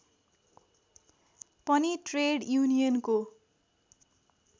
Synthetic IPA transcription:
pʌniʈreɽjunijʌnko

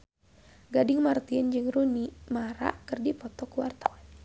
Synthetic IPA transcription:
ɡadɪŋmart̪iənd͡ʒɨŋrunimaɾa̰kɨrdipɔt̪ɔkuwart̪awan

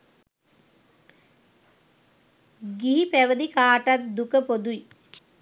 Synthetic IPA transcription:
ɡiɦipeʋɐd̪ikaːʈɐt̪̚d̪ukɐpod̪uj

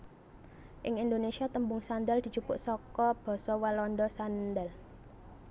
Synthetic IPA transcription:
ʔɪŋind̪onesiat̪əmbʊŋsand̪əld̪̥i̤t͡ʃupʊʔsɔkɔb̥ɔ̤sɔwalɔnɖɔsand̪əl

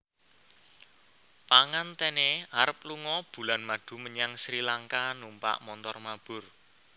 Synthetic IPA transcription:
paŋant̪eneaɾəp̚luŋɔb̥ṳlanmaɖ̪̥ṳməɲaŋsɾilaŋkanumpa̰ʔmɔnt̪ɔrmab̥ʊ̤r

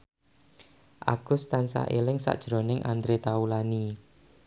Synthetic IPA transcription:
ʔa̰ɡ̥ʊst̪ansa̰ʔelɪŋsa̰ʔd̥ʒ̥ɾo̤nɪŋʔand̪ɾet̪aulani

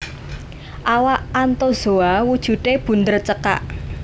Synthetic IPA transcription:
ʔawaʔant̪oz̥oawud̥ʒ̥ṳteb̥ṳnd̪ərt͡ʃəka̰ʔ

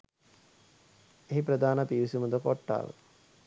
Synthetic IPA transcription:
eɦipɾəd̪aːnəpiʋisuməd̪əkoʈːa̰ːʋə̰

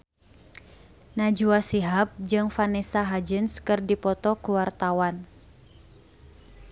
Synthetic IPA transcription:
nad͡ʒuasiɦap̚d͡ʒɨŋfanɛsaɦad͡ʒɨnskɨrdipɔt̪ɔkuwart̪awan

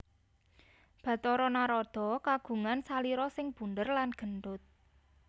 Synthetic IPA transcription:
b̥ä̤t̪ɔɾɔnaɾɔd̪̥ɔ̤kaɡ̥ṳŋansaliɾɔsɪŋb̥ṳnd̪ərlanɡ̥ə̤nɖʊt̪̚

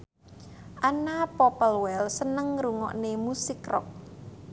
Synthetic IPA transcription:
ʔanapɔpəlwɛlsənəŋɾuŋɔ̰ʔnemusɪkrɔ̰k̚

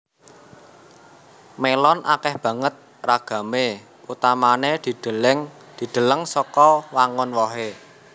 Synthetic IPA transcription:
melɔnʔa̰kɛhb̥ä̤ŋət̪̚ | raɡ̥ä̤me | ut̪amaned̪̥i̤d̥əŋ | d̪̥i̤d̪̥ə̤ləŋsɔkɔwaŋʊnwɔɦe

